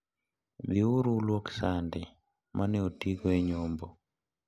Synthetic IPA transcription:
biuɾulwoksandɪ | mʔaneotiɡoeɲombo

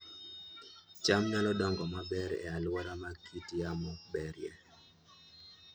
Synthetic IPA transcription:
t͡ʃamɲalɔdɔŋɡɔmabɛɾɛ̰alwaɾamakitjamɔbɛɾjɛ̰

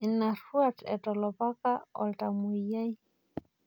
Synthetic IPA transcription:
ɪnaruatʰɛ̰tʼɔlɔpakʼaɔ̰ltʼamʊijai

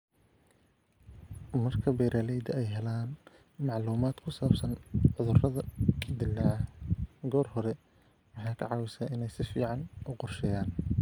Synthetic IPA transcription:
mɐrkʰɐbɛːɾʔaːlɛjd̪ɐɛjɦɛlaːn | mɑʕluːmaːd̪̥kʰʊsaːbsɐnʕʊðʊrɐðɐd̪ɪlːaːʕɑɡɔːrhɔɾɛ | wɑħɑːkʰɐʕɑːwɪsaːʔɪnɛjsɪfḭːʕɑnʊqɔrʃɛjaːn

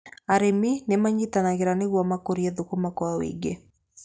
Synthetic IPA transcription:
aɾeminemaɲitanaɣeɾaneɣwɔmakoɾiɛðokumakwawḭɡe

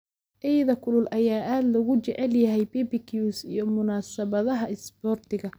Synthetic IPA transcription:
ʔɛjðɐkʰʊlʊlʔɐjaːʔaːd̪lɐɣʊt͡ʃɛʕɛljɐɦɛjbibikʰjuːsijɔmʊnaːsɐβɐðɐɦɐɪsbɔːrt̪ʰɪɣɐ

